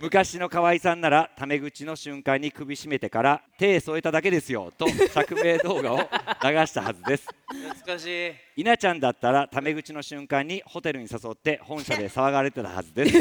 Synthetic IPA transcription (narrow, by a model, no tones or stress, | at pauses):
mɯ̟kaɕino̞kaβaisãnːaɾat̪ame̞ɡɯ̟t͡ɕino̞ɕɨ̃ŋkãɲ̟ːikɯ̟bʲiɕime̞t̪e̞kaɾat̪e̞ːso̞e̞t̪ad̪ak̬e̞d̪e̞sɨjo̞̰t̪o̞sakɯ̟be̞ːd̪o̞ːɡao̞naɡaɕi̥t̪ahazɨd̪e̞sɨ̥ | inat͡ɕãnd̪at̪ːaɾat̪ame̞ɡɯ̟t͡ɕino̞ɕɨ̃ŋkãɲ̟ːiho̞t̪e̞ɾɯ̟ɲ̟isaso̞t̪ːe̞hõ̞ɰ̃ɕad̪e̞saβaɡaɾe̞t̪e̞t̪a̰ha̰zɨd̪e̞sɨ̥